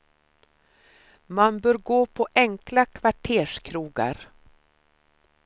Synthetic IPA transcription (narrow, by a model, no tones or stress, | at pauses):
manbœːɾɡoːpʰɔʔɛŋklakʰvaʈʰeːʂkʰɾuːɡa̰ɾ